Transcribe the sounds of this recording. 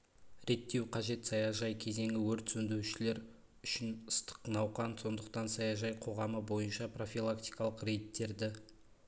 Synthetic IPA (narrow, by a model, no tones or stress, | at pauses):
ɾe̞t̪ːe̞wqʰɑʒe̞t̪sɑjɑʒɑjkʲʰe̞ze̞ŋʲɪwɵɾt̪sɵnd̪ewʃɪle̞ɾ | ʏʃɪnəst̪ə̥qnɑwqɑnso̞nd̪əq̚t̪ɑnsɑjɑʒɑjqʰo̞ʁɑməbo̞jənʃɑpro̞filˠakt̪ijkɑlˠəqɾe̞jt̪ːe̞ɾd̪ɪ